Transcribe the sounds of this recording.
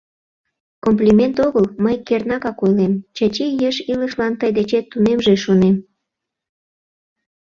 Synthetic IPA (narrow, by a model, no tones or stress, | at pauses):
komplʲimʲent̪oɣəlməjkernɑɣɑkojlemt͡ɕɑt͡ɕejəʃiləʃlɑnt̪əjd̪et͡ɕet̪ːunemʒeʃonem